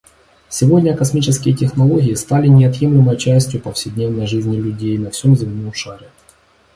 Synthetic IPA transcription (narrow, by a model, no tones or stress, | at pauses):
sʲɪvo̞dʲnʲəkɐsmʲit͡ɕɪskʲɪjətʲɪxnɐlˠo̞ɡʲɪɪst̪alʲɪnʲɪɐt̪jemlʲɪməjt͡ɕæsʲtʲjʊpɐfsʲɪdʲnʲevnəjʐɨzʲnʲɪlʲʉdʲejnɐfsʲo̞mzʲɪmʲnumʂaɾʲɪ